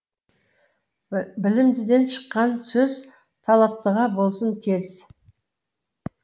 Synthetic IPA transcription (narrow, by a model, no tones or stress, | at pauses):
bɪlɪmd̪ɪd̪e̞nʃə̥qːɑnsɵz | t̪ʰɑlˠɑp̚t̪əʁɑbo̞lˠsəŋkʲʰe̞z